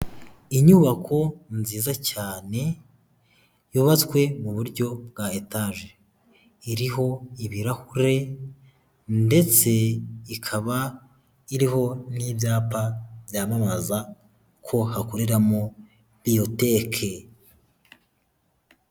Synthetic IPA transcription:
iɲuβakʰo̞nziːzacaːne̞ | juβat͡skwe̞muβuɾɟo̞bɡaetaʒe | iɾiɦo̞iβiɾahuɾe̞ | nde̞t͡se̞ikʰaβa | iɾiho̞nibjaːpabjaːmamaza | kʰo̞hakoɾeɾamo | bijo̞te̞kʰe

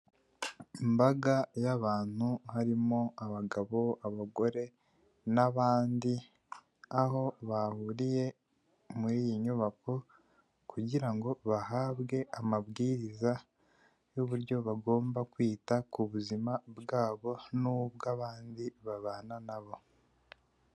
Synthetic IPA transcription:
imbaɡajaβaːn̥huhaɾimo̞aβaɡaβo̞aβaɡo̞ɾe̞ | naβaːndi | aho̞βahuɾije̞ | muɾijiɲuβako̞ | kuɟiɾaŋɡo̞βahaβɡe̞amaβɡiːɾiza | juβuɾjo̞βaɡo̞ːmbakwiːtakuβuzimabɡaːβo̞nuβɡaβaːndiβaβaːnanaβo̞

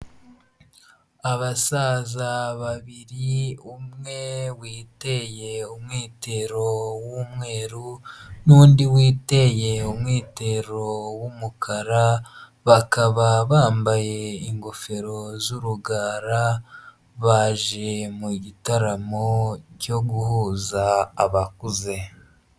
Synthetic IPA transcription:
aβasaːzaβaβiɾiumŋe̞wiːte̞je̞umŋiːte̞ɾo̞wumŋe̞ːɾunuːndiwiːte̞je̞umŋiːte̞ɾo̞wumukʰaɾa | βakaβaβaːmbaje̞iŋɡofe̞ɾo̞zuɾuɡaːɾa | βaːʒe̞muɟitaɾamoɟo̞ɡuhuːzaːβakuze̞

